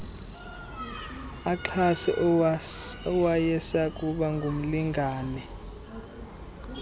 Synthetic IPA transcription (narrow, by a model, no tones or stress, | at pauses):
aǁʰasɛ̰ʔ | ɔwajɛsakʼuɓaŋɡʱum̩liŋɡʱaːnɛ